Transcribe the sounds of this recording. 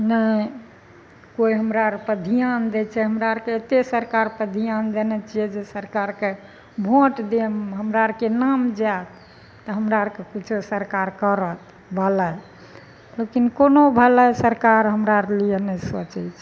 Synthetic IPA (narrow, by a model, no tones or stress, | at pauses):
nə | koiɦəmɾaɾpəd̪ʱijand̪ɛt͡ʃʰɛɦəmɾaɾkeet̪esəɾkaɾpəd̪ʱijand̪enɛt͡ʃʰiɛd͡ʒesəɾkaɾke | bʱõʈd̪emɦəmɾaɾkenamd͡ʒat̪ | t̪əɦəmɾaɾkekit͡ʃʰusəɾkaɾkəɾət̪ | bʱəlɛ | lekinkonobʱəlɛsəɾkaɾɦəmɾaɾlijənɛsət͡ʃɛt͡ʃʰɛ